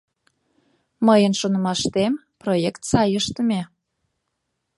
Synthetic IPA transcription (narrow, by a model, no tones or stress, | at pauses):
məjənʃonə̆mɑʃt̪em | projekt̪sɑjəʃt̪əmʲe